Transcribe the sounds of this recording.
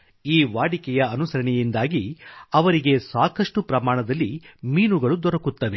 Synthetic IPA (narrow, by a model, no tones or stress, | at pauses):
iːʋaːɽikɛjɐɐnusɐɾɐɳɛjind̪aːɡiɐʋɐɾiɡe̞saːkɐʂʈupɾɐmaːɳɐd̪ɐlːimiːnuɡɐɭud̪ɔɾɐkut̪ːɐʋe̞